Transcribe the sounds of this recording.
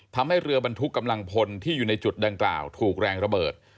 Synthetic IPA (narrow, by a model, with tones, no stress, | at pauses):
t̪ʰa˧mha˥˩jɾɯ˧ɐba˧nt̪ʰu˦˥kːa˧mla˧ŋpʰo˧nt̪ʰiː˥˩juː˨˩na˧jt͡ɕu˨˩t̪̚da˧ŋkla̰ː˨˩wt̪ʰuː˨˩k̚ɾɛː˧ŋɾa˧bɤː˨˩t̪̚